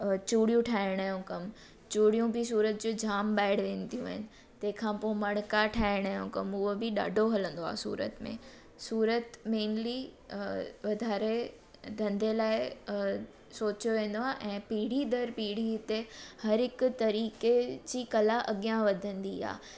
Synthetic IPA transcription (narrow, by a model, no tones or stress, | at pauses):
t͡ɕuːɽijũʈʰaːɪɽ̃aːjũkɐm | t͡ɕuːɽijũbɪsuːɾət̪̚d͡ʑoːd͡ʑʱaːmɓaːɪɽʋẽːnd̪ijũa̰ːɦɪnɪ̆ | t̪ɐ̃ɦɪ̃kʰãːpoːɪmɐɽ̃kaʈʰaːɪɽ̃aːjṵ̃kɐmʊɦobɪɗa̰ːɖʱoɦɐlə̃nd̪oa̰ːsṵːɾə̰t̪mḛ̃ː | suːɾət̪meːnli | ʋɐd̪ʱaːɾe | d̪ʱɐ̃nd̪elaːɪ | soːt͡ɕjoʋẽːn̆d̪oaːʔɛ̃ːpiːɽ̤id̪ɐɾpiːɽ̤it̪ehɐɾɪkʊt̪ɐɾiːked͡ʑiːkɐlaʔɐɠijãʋɐd̪ʱə̃nd̪ia̰ː